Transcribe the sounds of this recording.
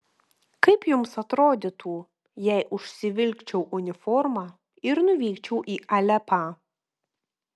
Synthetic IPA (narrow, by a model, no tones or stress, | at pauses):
kɐɪpjʊmsɐt̪ɾoːd̪ʲɪt̪ʰuː | jɛɪʔʊʃʲsʲɪʋʲɪlʲkt͡ʃʲɛʊʔʊnʲɪfɔɾmɑː | ɪɾnʊʋʲiːkt͡ʃʲɛʊʔiːʔɐlʲɛpɑ